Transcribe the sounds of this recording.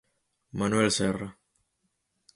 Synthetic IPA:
manwɛlsɛra

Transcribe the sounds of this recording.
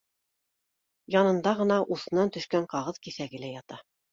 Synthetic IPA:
jɑnɤ̆nd̪ɑʁɤ̆nɑʔuθɤ̆nɑnt̪ɵ̆ʃkæɴqɑʁɤðkiθæɡɘlæjɑt̪ɑ

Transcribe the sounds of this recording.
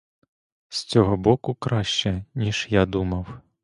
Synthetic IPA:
st͡sʲɔɦɔbɔkʊkɾɑʃt͡ʃɛnʲiʒjad̪umɐw

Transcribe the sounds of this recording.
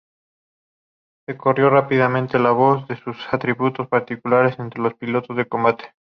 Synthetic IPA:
se̞ko̞rjo̞rapið̞amẽnt̪elaβ̞o̞zðe̞susat̪ɾiβut̪ospaɾt̪ikulaɾe̞se̞nt̪ɾelo̞spilo̞t̪o̞zðeko̞mbat̪e̥

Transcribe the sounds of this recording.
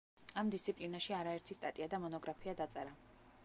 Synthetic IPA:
amd̪ist̪sʰipʼlinaʃiaɾaɛɾt̪ʰist̪ʼat̪ʼiad̪amɔnɔɡɾapʰiad̪at̪sʼɛɾa

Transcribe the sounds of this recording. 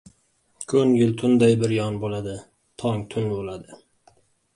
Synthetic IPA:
kʰɵŋɡʲɪlt̪ʰʊnd̪ajbɪɾjɒnbolad̪ɪ | t̪ʰɒŋt̪ʰʊnbolad̪ɪ

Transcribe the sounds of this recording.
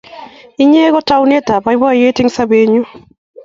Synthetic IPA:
iɲeɣɔtawnetabajbajetiŋsabeɲu

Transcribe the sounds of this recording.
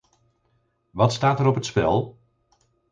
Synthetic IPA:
ʋɑtstaːtəɾɔpətspɛ̰lˠ

